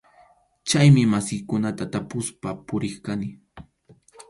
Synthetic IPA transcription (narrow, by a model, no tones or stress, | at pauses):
t͡ʃajmɪmasɪjkʊnat̪at̪apʊspapʊɾɪχkanɪ